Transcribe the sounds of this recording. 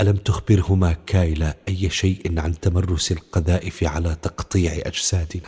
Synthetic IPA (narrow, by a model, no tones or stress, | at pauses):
ʔalamt̪ʊxbɪɾhʊmakaːjɪlaʔajːʃaːʔɪnʕant̪amɑrˤːʊsalqɑðaːʔɪfiʕalat̪ɑqt̪ˤiːʕʔa̰d͡ʒsaːd̪ɪna